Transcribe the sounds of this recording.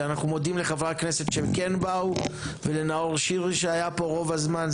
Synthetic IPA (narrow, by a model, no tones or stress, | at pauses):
anaχnumo̞d̪imleχavʁakne̞se̞t̪ʃemkenbauvele̞naoʁʃiʁʃeajapo̞ʁo̞vazman